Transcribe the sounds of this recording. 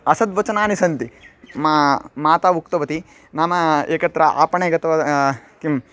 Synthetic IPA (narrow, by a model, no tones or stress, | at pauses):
ɐsɐd̪ʋɐt͡ʃɐnaːnisɐnt̪imaːmaːt̪aːʋukt̪ɐʋɐt̪i | naːmɐeːkɐt̪ɾɐʔa̰ːpɐɳeːɡɐt̪ɐʋɐkim